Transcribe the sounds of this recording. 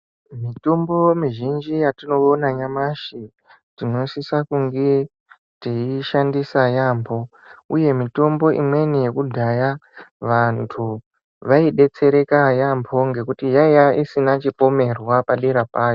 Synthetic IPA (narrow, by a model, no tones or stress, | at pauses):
mito̞mbo̞miʒind͡ʒijatino̞onaɲamaʃi | tino̞sisakuŋɡe | tiiʃandisajambʰʱo̞ | uje̞mito̞mbo̞ʔḭmwe̞nije̞kudʱajaʋantʰu | ʋaiɗe̞t͡se̞ɾe̞kajambʰʱo̞ŋɡe̞kutijajaisinat͡ʃipo̞me̞rwapaɗiɾapaːjo